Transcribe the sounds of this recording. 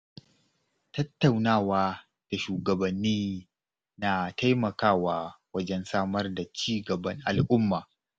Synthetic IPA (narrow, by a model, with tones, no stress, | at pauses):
tɐ˦tːa˨wnaː˦waː˦ | d̥a˨ʃuː˨ɡɐ˨bɐ˨nːiː˦ | na˨ta˦jmɐ˨kaː˦˨waː˦wɐ˦d͡ʒɛ˦nsaː˦mɐ˦rda˨t͡ʃiː˦ɡɐ˨bɐ˦ŋʔa˨lʔʊ˦mːaː˨